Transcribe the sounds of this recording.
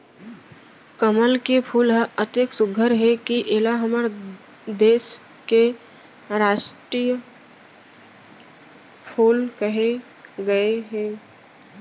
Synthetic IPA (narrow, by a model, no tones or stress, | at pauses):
kəməlkepʰuːlɦʔət̪eksʊɡʱəɾɦɛkiʔelaɦəməɾ | d̪eːs | ke | ɾaːʃʈɾij | pʰuːlkəɦe | ɡɐeɦɛ̃ː